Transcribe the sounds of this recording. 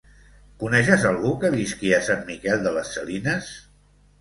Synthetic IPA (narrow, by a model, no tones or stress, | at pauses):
kunɛʃ̬əzalˠɣukəβiskiəsanmikɛlˠd̪ələsːəlinəs